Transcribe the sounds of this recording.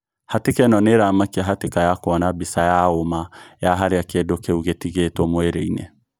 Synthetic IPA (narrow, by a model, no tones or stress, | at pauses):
hatekɛnɔneɾamakiaɦatekajakoɔnabisajaomajaɦaɾeakedokeuɣetiɣetɔmweɾeinɛ̰